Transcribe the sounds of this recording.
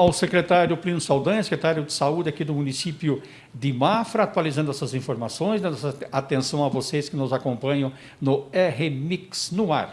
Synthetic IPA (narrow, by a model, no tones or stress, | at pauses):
awsekɾet̪aɾjʊplĩnʊsawd̪ɐ̃jɐsekɾet̪aɾjʊd̪ɪsaud̪ɪakid̪ʊmunisipjʊ | d̪ɪmafɾɐat̪ualizɐ̃nd̪ʊɛsɐzĩfoɾmasõj̃zd̪ɐ̃nd̪ɛsɐat̪ẽsɐ̃w̃ɐvoseskɪnʊzakõmpɐ̃ɲɐ̃w̃ | nʊɛɦemiksnʊaɾ